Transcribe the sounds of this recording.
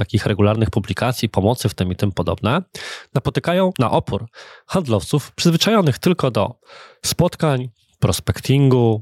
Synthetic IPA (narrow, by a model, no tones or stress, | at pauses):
t̪akʲixɾɛɡulaɾnɘxpublʲikʰat̪sʲjipɔmɔt̪sɘft̪ɘmit̪ɘmpɔd̪ɔ̰bnɛnapɔt̪ɘkajɔ̃w̃na̰ʔɔpuɾxand̪lɔft̪sufpʂɘzvɘt͡ʂajɔnɘxt̪ɘlkɔd̪ɔ̰spɔt̪kaɲ | pɾɔspɛkt̪ʲʰiŋɡu